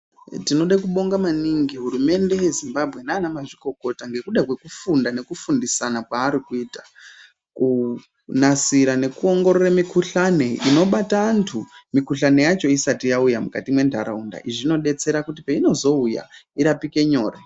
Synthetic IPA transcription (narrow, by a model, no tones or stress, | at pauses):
tino̞ɗakuɓo̞ŋɡamaniŋɡiɦuɾume̞nde̞jezimbabʱɣe̞naːnamaʐiko̞ko̞taŋɡe̞kuɗakwe̞kufundane̞kufundisanakwaːɾikuiːtḁ | ku | nasiɾane̞kuo̞ŋɡo̞ɾoɾamikuɬane̞ḭno̞ɓataːntʰumikuɬane̞jat͡ʃo̞isatijaujamukatimwe̞ndʱa̰ɾaunda̰ʔiʐino̞ɗe̞t͡se̞ɾakut̬ipeino̞zo̞uja̰iɾapike̞ɲo̞ːre